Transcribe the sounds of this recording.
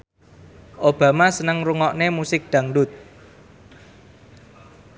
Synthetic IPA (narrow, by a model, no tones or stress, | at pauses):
ʔob̥a̤masənəŋruŋɔʔnemusɪk̚d̪̥ä̤ŋɖʊt̪̚